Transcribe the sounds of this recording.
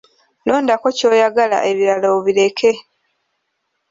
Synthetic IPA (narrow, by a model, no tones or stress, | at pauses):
lo̞ːndako̞co̞ːjaɡala̰ʔe̞βiɾaloβile̞kʰe̞